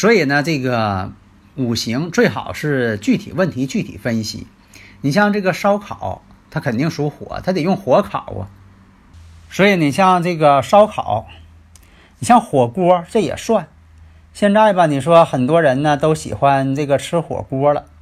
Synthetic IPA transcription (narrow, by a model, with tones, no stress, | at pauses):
swɔ˧˥i˨˩nə˦ʈ͡ʂɤ˥˩ɡə˩ | u˨˩ɕi˧˥ŋt͡swe˥˩ɪxɑ˨˩ʊʂɻ̩˥˧t͡ɕy˥˩t̪ʰḭ˨˩wə˥˩nt̪ʰi˧˥t͡ɕy˥˩t̪ʰḭ˨˩fə˥nɕḭ˨˩ | ni˨˩ɕjɑ˥˧ŋʈ͡ʂɤ˥˩ɡə˩ʂɑ˥ʊkʰɑ˨˩˦ʊ | t̪ʰa˥kʰə˨˩nt̪i˥˩˧ŋʂu˧˥xwɔ̰˨˩˥t̪ʰa˥t̪e˨˩jʊ˥˩ŋxwɔ˧˥kʰɑ̰˨˩˦ʊɐ̰˧ | swɔ˧˥i˨˧˩ni˨˩ɕjɑ˥˧ŋʈ͡ʂɤ˥˩ɡə˩ʂɑ˥ʊkʰɑ˨˩˦ʊ | ni˨˩ɕjɑ˥˩ŋxwɔ˨˩kwɔ˥ʈ͡ʂɤ˥˩jɛ̰˨˩ʂwa˥˩n | ɕjɛ˥˧nʈ͡ʂa˥˩ɪbɐ˨˩ni˨˩ʂ̬wɔ˥xə˨˩nt̪wɔ˥ɻə˧˥nnə˧t̪o˥ʊɕḭ˨˩xwa˥nʈ͡ʂɤ˥˩ɡə˩ʈ͡ʂʰɻ̩˥xwɔ̰˨˩kwɔ˥lə̰˨